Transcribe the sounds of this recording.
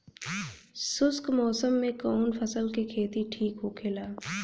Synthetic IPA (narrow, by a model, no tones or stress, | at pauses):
sʊskmɔːsəmːẽkɔːnfʰəsəlkekʰeːt̪iʈʰiːkɦokʰelaː